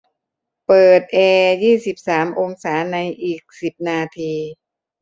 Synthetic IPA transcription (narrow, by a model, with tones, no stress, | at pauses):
pɤː˨˩t̪̚ʔɛː˧jiː˥˩si˨˩p̚saː˩˦mʔo˧ŋsaː˩˦na˧jʔiː˨˩k̚si˨˩p̚naː˧t̪ʰiː˧